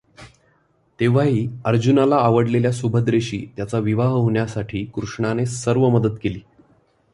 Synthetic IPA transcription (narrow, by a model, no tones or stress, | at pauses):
t̪eʋ̤aɦiːəɾd͡ʑunalaːʋəɽleljasubʱəd̪ɾeɕḭːt̪jat͡saʋiʋaɦɦoɳjasaʈʰiːkɾuʂɳanesəɾʋəməd̪ət̪keliː